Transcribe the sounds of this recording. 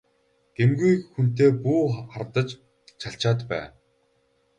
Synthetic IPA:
ɡ̥emɡujkxun̥t̪eːpuːχart̪ə̆t͡ɕ | t͡ɕʰaɬt͡ɕaːt̪pæ̰ː

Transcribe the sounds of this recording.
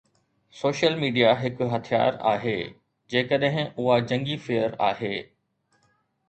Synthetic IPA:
soːʃəlmiːɖijaɦɪkʊɦɐt̪ʰija̰ːɾa̰ːɦeː | d͡ʑeːkəɗɦɪ̃ʊɦad͡ʑɐ̃ŋɡifɪəɾa̰ːɦeː

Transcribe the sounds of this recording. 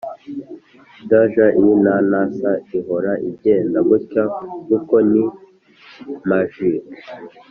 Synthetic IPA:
daʒaʔijinanasaiɦo̞ɾaʔib̚ɟeːndaβucaɡuko̞ni | maʒik

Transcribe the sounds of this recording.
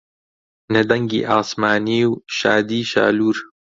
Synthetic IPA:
nɐd̪ɐŋɡḭːʔaːsmaːniːwʃaːd̪iːʃa̰ːluːɾ

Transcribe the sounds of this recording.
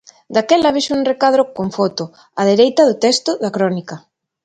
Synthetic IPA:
d̪akɛlɐβiʃunrekaðɾokoɱfɔt̪o | að̞eɾejt̪ɐðʊt̪ɛst̪ʊðɐkɾɔnikɐ

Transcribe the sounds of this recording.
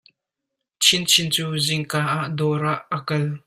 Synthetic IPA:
t͡sʰint͡sʰint͡suːzɪŋkaːʔaʔdɔːɾaʔəkɐl

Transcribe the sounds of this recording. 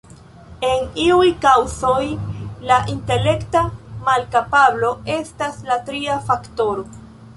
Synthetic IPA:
e̞niujkawzo̞jlaʔinte̞le̞ktamalkapablo̞e̞staslatɾiafakto̞ɾo̞

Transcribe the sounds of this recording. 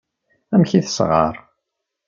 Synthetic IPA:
æmçiθə̥sʁɑ̰ɾˤ

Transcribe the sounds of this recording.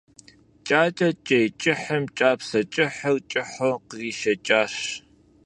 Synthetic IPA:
t͡ʃʼaːt͡ʃʼɐt͡ʃʼejt͡ʃʼɪħɐmt͡ʃʼaːpsɐt͡ʃʼɪħɐwt͡ʃʼɪħoqəziːʃɐt͡ʃʼaːɕ

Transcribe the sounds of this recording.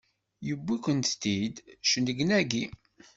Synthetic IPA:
jəbːikʷənt̪t̪id̪ʃənəɡnæɡi

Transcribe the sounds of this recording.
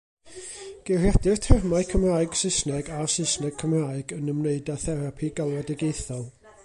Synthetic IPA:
ɡ̥ɪrjadɪrtʰɛrmaɨkʰəmraːɨɡ̥sɪsnɛɡasɪsnɛɡ̚kʰəmraːɨɡənəmneɨdaθɛɾapʰiɡalˠɔdɛɡejθɔlˠ

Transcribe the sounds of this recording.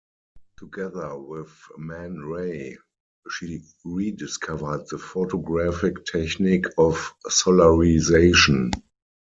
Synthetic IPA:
tʰuɡɛðə˞wɪðmɛ̃nɹeɪ | ʃi | ɹidɪskʰavə˞d̚ðəfotɔɡɹafɪktʰɛçnɪkʰɔfsɔlaɹizeɪʃɔ̃n

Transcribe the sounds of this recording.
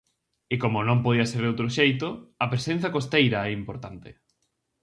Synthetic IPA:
ɪkomonõmpoðiɐseɾðowt̪ɾoʃejt̪oɐpɾesẽn̟θakost̪ejɾɐɛimpoɾt̪ant̪ɪ

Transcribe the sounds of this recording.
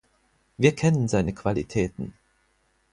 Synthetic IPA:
viːɐkʰɛnənzaɪnəkv̥alḭtʰɛːtn̩

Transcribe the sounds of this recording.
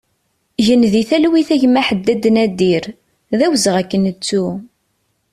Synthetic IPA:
ʝənðiθælwiθæʝmæħəd̪ːæd̪ːnæd̪iɾ | ðæwzəʁækːənət͡sːu

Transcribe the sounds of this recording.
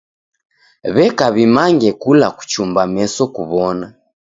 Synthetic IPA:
βɛkaβimaŋɡɛkulaku̥t͡ʃumbamɛsɔkuβɔna

